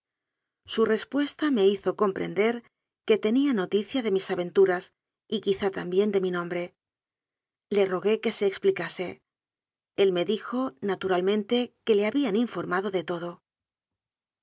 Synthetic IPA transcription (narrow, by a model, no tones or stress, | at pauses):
sure̞spwe̞st̪ame̞iθo̞ko̞mpɾe̞̰nd̪e̞ɾ | ke̞t̪e̞niano̞t̪iθjaðe̞misaβe̞nt̪uɾas | ikiθat̪ambje̞nd̪e̞minõ̞mbɾe̞ | le̞ro̞ɣe̞ke̞se̞ːksplikase̞ | e̞lme̞ðixo̞nat̪uɾalmẽ̞nt̪e̞ke̞le̞aβianiɱfo̞ɾmaðo̞ðe̞t̪o̞ð̞o̞